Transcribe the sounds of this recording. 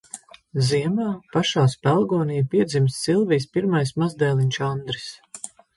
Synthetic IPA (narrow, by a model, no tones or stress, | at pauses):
ziɛmaːpaʃaːspælˠɡɔːniːjpiɛd̪zimsːilˠvijspiɾmajsmazd̪ɛːlˠinʲʃand̪ɾis